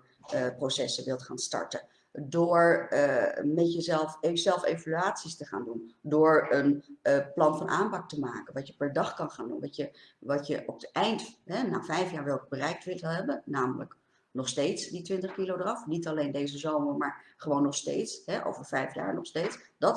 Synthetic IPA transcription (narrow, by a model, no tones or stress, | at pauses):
prowsɛsəʋɪlˠtχa̰ːnstɑ̰ɹtən | dʊːɹ | mɛtjəzɛlˠfz̥ɛlˠfejvalyaːtsistəχa̰ːndundʊːɹənplɑnfɑnʔaːmpɑk̚təmaːkənʋɑtjəpɛɹdɑχkɑnχaːndṵnʋɑtjə | ʋɑtjəʔɔpətɛjntɦɛnaːvɛjfjaːɹʋɛlˠkbərɛjk̚tʋɪtəlˠɦɛbənnaːmələ̰k | nɔχstejtsditʋɪntəχkilowdərɑfnitɑlejndejzəzowməmaːɹχəʋownːɔχstḛjtsɦɛʔo̰wvəɹv̥ɛjfja̰ːɹnɔχstejtsd̥ɑt